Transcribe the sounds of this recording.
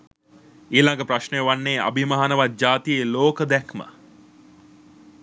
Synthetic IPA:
iːlaŋɡəpraʃnejʋanːeːa̰bimaɦanəʋad͡ʒaːt̪ijeloːkəd̪ɛkmə̰

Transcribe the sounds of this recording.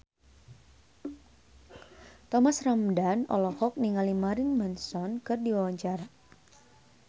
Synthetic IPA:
t̪ɔmasramdanɔ̰lɔkɔk̚niŋalimaɾɪnmɛnsɔnkɨrdiwawaɲt͡ʃaɾa

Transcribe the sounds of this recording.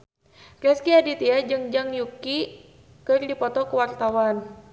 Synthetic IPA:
kɛskiadit̪iad͡ʒɨŋd͡ʒaŋjuki | kɨrdipɔt̪ɔkəwart̪awan

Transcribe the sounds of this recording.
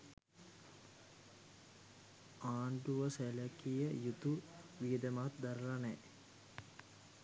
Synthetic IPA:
aːɳɖuʋəsælækijəjut̪uʋijəd̪əmat̪d̪aɾəlanɛ

